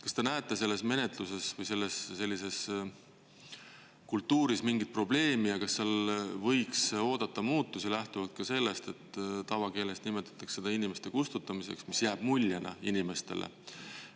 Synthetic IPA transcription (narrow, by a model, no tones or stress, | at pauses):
kɑst̪e̞næet̪ːˑese̞lːe̞sme̞ne̞t̪ˑluse̞svɤjse̞lːe̞sːe̞lːise̞s | kult̪ˑːuːɾismiŋɡit̪̚pro̞ble̞ːmijɑkɑsːelvɤjkso̞ːd̪̥ɑt̪ːˑɑmuːt̪ːusilæht̪uvɑlt̪̚kɑse̞lːe̞st̪e̞t̪ːt̪ɑvɑke̞ːlest̪nime̞t̪ːˑɑ̥t̪ːˑɑksse̞d̪̥ɑinimest̪e̞kust̪ut̪ːˑɑmise̞̰ksmisjæːb̥mulʲːɑnɑ̰inime̞st̪e̞̰lʔḛ